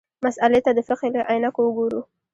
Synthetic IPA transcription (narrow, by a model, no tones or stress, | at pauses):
masalet̪ad̪əfɪqeləʔajnakowəɡoɾu